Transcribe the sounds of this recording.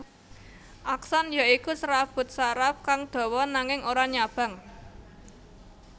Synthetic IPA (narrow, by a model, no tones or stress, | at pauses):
ʔaksanjaikusɾafb̥ʊ̤t̪̚saɾafkaŋd̪̥o̤wɔnaŋɪŋʔoɾaɲab̥a̤ŋ